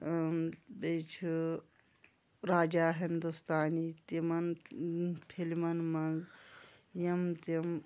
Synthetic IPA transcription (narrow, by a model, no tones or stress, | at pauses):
bet͡ʃʰu | ɾaːd͡ʒaːɦind̪ust̪aːniːt̪imɐn | pʰilmɐnmɐnz | jɐmt̪ɐm